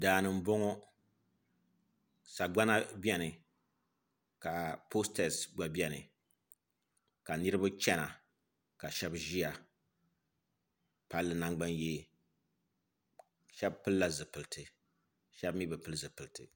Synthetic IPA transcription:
daː˨nɨ˨m̩˦bɔ˦ŋɔ˦ | sa˨ɡ͡ba˦na˦bɛ˦nɨ˨ | ka˨po˦stɛ˨sɡ͡ba˨bi˦ɛ˦nɨ̰˨ | ka˨nɨ˦ɾɨ˦ba˦t͡ʃɛ˦na˨ | ka˨ʃɛ˦bʒi˦ja˨ | pa˦lːɨ˦na˦ŋɡ͡ba˦nje˦ | ʃɛ˦bpɨ˦lːa˦zɨ˨pɨ˨ltʰɨ˨ | ʃɛ˦bmi˦bɨ˨pɨ˦lɨ˦zɨ˨pɨ˨ltʰɨ̰˨

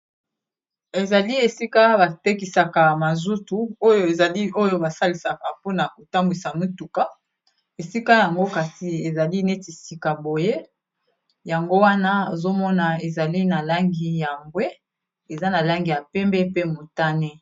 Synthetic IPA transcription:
e˨za˨li˦e˨si˦ka˦ba˨te˦ki˨sa˨ka˨ma˨zu˦tu˦o˦jo˦e˨za˨li˦o˦jo˦ba˨sa˦li˨sa˨ka˨po˦na˨ko˨ta˦mbwi˨sa˨mi˦tu˨ka˦ | e˨si˦ka˦ja˨ŋɡo˦ka˨si˨e˨za˨li˦ne˦ti˨si˨ka˨bo˨je˦ | ja˨ŋɡo˦wa˦na˦e˨zo˦mɔ˦na˨e˨za˨li˦na˨la˦ŋɡi˦ja˨mɡwe˦ | e˨za˦na˨la˦ŋɡi˨ja˨pɛ˦mbɛ˦pe˦mo˨ta˦ne˦

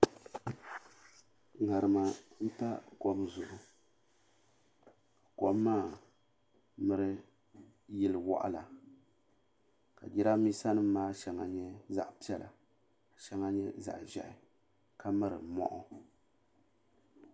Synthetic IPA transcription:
ŋa˨ɾɨ˨ma˨m̩˦pa˦kɔ˦bzʊ˨ʔʊ˨ | ka˨kɔ˦bːaː˦˨ | mɨ˦ɾɨ˦ | jɪ˦lɨ˨wɔ̰˦ʔa̰˦la˨ | ka̰˨d͡ʒi˦ɾa˦mi˦sa˦nɨ˦mː˦aː˦ʃɛ˨ŋa˨ɲɛ˦za̰˨ʔpi˦ɛ˦lʔa̰˨ | ʃɛ˦ŋa˦ɲɛ˦za̰˨ʔʒɛ̰˦ʔɪ˨ | ka˦mɨ˦ɾɨ̰˨mɔ̰˦ʔɔ˦

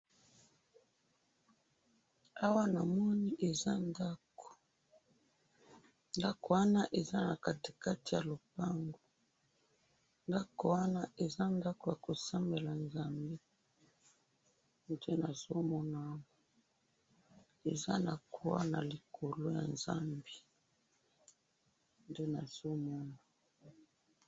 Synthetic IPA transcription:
a˦wa˦na˨mɔ˦ni˦ʔe˨za˦nda˦ko̥˨ | nda˦ko˨wa˦na˦ʔe˨za˦na˨ka˨te̥˨ka˦ti˨ja˨lo˨pa˦ŋɡo˨ | nda˦ko˨wa˦na˦ʔe˨za˦nda˦ko˨ja˨ko˨sa˦mbe˨la˨nza˦mbe˦ | nde˦na˨zo˦mɔ˦na˦˨˦ | e˨za̰˦na˨ko˨wa̰˦na˨li˨kʰo˨lo˦ja̰˨nza˦mbi˦ | nde˦na˨z̥o˦mɔ˦na˨

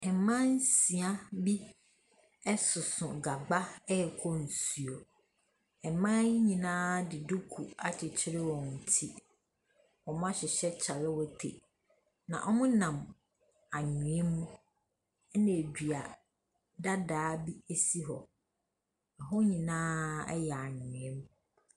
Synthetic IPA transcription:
ɛ˨mã˦n̩˦si˨a˦bi˦ | ɛ˦sʊ˨sʊ̰̃˨ɡa˨ɡ͡ba˦ɛ˦ɛ˨kʰɔ˦n̩˨su˨o˨ | ɛ˨mã˦ɲĩ˨nãː˦dɪ˨du˦kʰu˨a˨t͡ɕʰɪ˨t͡ɕʰɪ˦ɾɪ˦wɔ̃˨n̩˨tʰi˦ | ɔ˨mʊ̃˦a˦ɕɪ˨ɕɛ˦t͡ɕʰa˨lɪ˦wɔ˦tʰḛ˨ | nã̰˨ʔɔ˦mʊ̃˦nã˨m | a˨ɲʊ̃˨ɛ̃˦mũ˦ | nã˨e˨dᶣi˨a˨ | da˦daː˨˦bi˦e˦si˦ɦɔ˨ | ɛ˨ɦɔ˦ɲĩ˨nãː˦ɛ̰˦jɛ˨a˨ɲɪ̃˨ɛ̃˦mũ˦

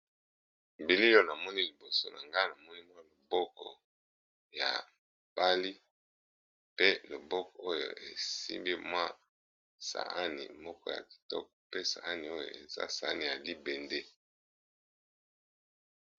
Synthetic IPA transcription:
mbi˨li˦o˦˨na˨mɔ˦ni˦li˨bo˨so˦na˨ŋɡa˦na˨mɔ˦ni˦mwa˦lo˨bɔ˦kɔ˨ | ja̰˨ | ba˦li˦ | pe˦lo˨bɔ˦kɔ˨o˦jo̰˨e˨sḭ˦mbi˦mwa˦ | sa̰˨a˦nḭ˨mɔ˦kɔ˦ja̰˨ki̥˨tɔ̰˦k̚pe˦sa̰˨a˦ni˨o˦jo̰˨ḛ˨za̰˦sa˨a˦ni˨ja˨li˦be˨nde˦

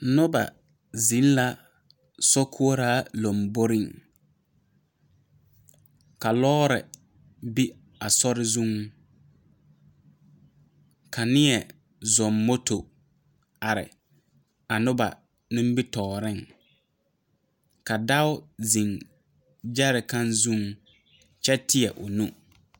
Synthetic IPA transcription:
nʊ˦ba̰˨ | zĩ˨˦n˦la˦ | sɔ˦kʰu˦o˦ɾaː˦lo˨mbo˦ɾɪ˦˨ŋ | ka˨lɔː˦ɾɛ˨ | bi˦ | a˨sɔ˦ɾɪ˦zu˦ŋ | kʰa˨nɪ˦ɛ˨ | zɔ˨mːo˦to˨ | a˨ɾɪ̰˨ | a˨nʊ˦ba̰˨ | nɪ̃˦m˦bi˦tɔː˨ɾɪ˦ŋ | ka˨da˦ʊ˦zĩ˨ŋ | d͡ʒa˦ɾɪ˨kã˦nzũ˦ŋ | t͡ʃɛ˦tɪ˦ɛ˨ʔʊ˨nũ˦˨

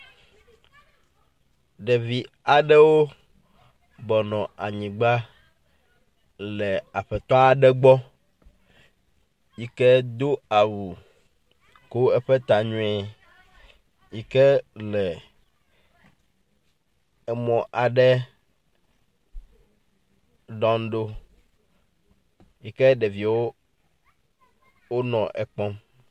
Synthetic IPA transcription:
ɖɛ˨vi˨ | a˨ɖɛ˦wo˦ | bɔ˨nɔ̃˨a˨ɲĩ˨ɡ͡ba˦ | lɛ˨a˨ɸɛ˨t̪ɔ˦a˨ɖɛ˦ɡ͡bɔ˦ | ji˨kɛ˦d̪o˦a˨wu˨ | ko˦wɛ˦ɸɛ˦t̪a˨ɲũ˦ɛ˨ | ji˦kɛ˦lɛ˨ | ɛ˦mɔ̃˨ʔa˨ɖɛ˦ | ɖɔ̃˦n˦ɖo˦ | ji˦kɛ˦ɖe˨vi˨wo˦ | wo˦nɔ̰̃˨ʔɛ˨k͡pɔ̃˦m

